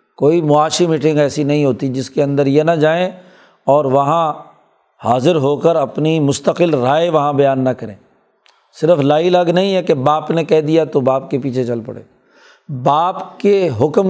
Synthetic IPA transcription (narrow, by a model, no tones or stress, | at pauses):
koːimʊaːʃimiːʈɪ̃ŋɡɛːsinɐɦĩɦoːt̪id͡ʒɪskeɐ̃nd̪əɾjenɐd͡ʒaːẽ | ɔːɾʋɐɦã | haːzɪɾɦoːkəɾɐpnimʊst̪əqɪlɾaːeʋɐɦãbɐjaːnːɐkɐɾḛ̃ː | sɪɾəflaːilɐɡnɐɦĩɦɛkebaːpnekɛɦd̪ijat̪obaːpkepiːt͡ʃʰet͡ʃɐlpɐ̰ɽḛː | baːpkeɦʊkm